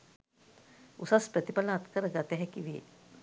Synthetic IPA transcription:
usaspɾət̪ipalaːt̪kəɾəɡat̪əɦɛkiʋiḛ

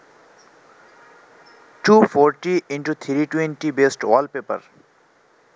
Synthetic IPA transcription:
ʈufʰoɾʈiiɳʈut̪ʰiɾiʈwẽnʈibesʈɔlpepə̰ɾ

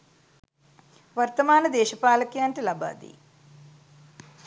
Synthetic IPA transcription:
ʋɐɾt̪ɐmaːnɐd̪eːʃɐpaːlɐkjaːɳʈilɐba̰ːd̪ḭ

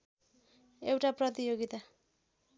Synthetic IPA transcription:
ewʈaprʌt̪ijoɡit̪a

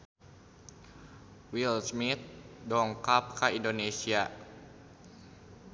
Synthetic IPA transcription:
wilsmit̪̚dɔŋkap̚kaindonesia

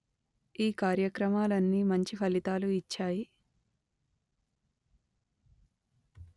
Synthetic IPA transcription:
iːkaːɾjɐkɾɐmaːlɐnːiːmɐɲt͡ʃipʰɐlit̪aːluit͡ʃːaːji

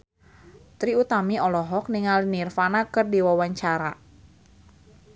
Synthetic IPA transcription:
t̪ɾiut̪amiɔlɔɦɔk̚niŋalinirfanakɨrdiwawaɲt͡ʃaɾa

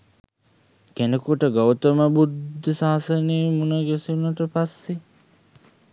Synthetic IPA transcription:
kenekuʈəɡawt̪oməbud̪ʱːəsaːsəneːmunəɡesinɐʈəpasːe

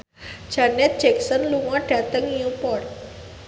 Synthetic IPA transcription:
d͡ʒanɛt̪̚d͡ʒɛksɔnluŋɔ̃ɖ̥at̪əŋupɔrt̪̚

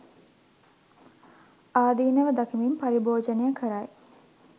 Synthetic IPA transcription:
aːd̪iːnəʋəd̪akimimpaɾiboːd͡ʒənejəkʰəɾaj

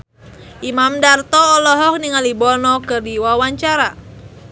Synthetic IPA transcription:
ʔimamdart̪ɔːlɔɦɔk̚niŋalibɔnɔkərdiwawaɲt͡ʃaɾa

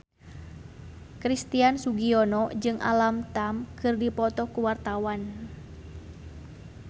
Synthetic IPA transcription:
kɾist̪iansuɡiɔnɔd͡ʒɨŋʔa̰lamt̪amkɨrdipɔt̪ɔkuwart̪awan

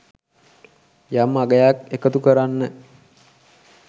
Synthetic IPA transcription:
jamaɡəjakekət̪ukəɾanːə

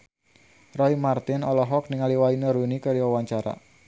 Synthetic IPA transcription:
rɔimart̪ɪnɔlɔɦɔk̚niŋaliwainəɾunikəɾiwawaɲt͡ʃaɾa̰

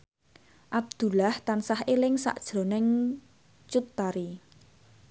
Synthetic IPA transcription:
ʔab̚d̪̥ṳlaht̪ansahelɪŋsa̰ʔd̥ʒ̥ɾo̤nɪŋ | t͡ʃut̪ːaɾi

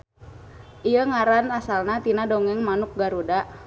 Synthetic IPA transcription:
ʔijəŋaɾanasalnat̪inadɔŋɛŋmanuk̚ɡaɾuda

